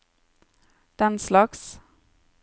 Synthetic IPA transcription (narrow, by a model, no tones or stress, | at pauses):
d̪̥ɛnslɑks